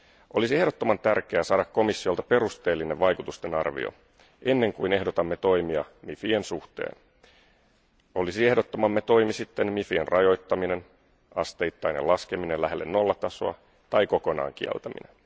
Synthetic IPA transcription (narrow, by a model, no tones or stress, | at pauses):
ʔo̞lisiehɾo̞t̪ːo̞mɑnt̪ærk̟e̞æsɑːɾɑkkːo̞misːio̞lt̪ɑpe̞ɾust̪e̞ːlːine̞ʋʋɑjkut̪ust̪e̞nɑ̰rʋḭo̰ | ʔe̞nːe̞ŋkuine̞hdo̞t̪ɑmːet̪o̞jmiɑmifiensuht̪e̞̰ːn | o̞lisie̞hdo̞t̪ːomɑmːet̪o̞jmisit̪ːe̞nmifienrʔɑjo̞jt̪ːɑmine̞n | ɑst̪e̞jt̪ːɑjne̞̰lɑske̞minenlæɦelːenːo̞lːɑt̪ɑsoɑ̰ | t̪ɑjko̞ko̞nɑ̰ːŋk̟iɛ̰lt̪æmḭne̞̰n